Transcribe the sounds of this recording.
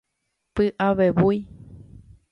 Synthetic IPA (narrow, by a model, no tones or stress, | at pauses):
pɨʔaβeβuj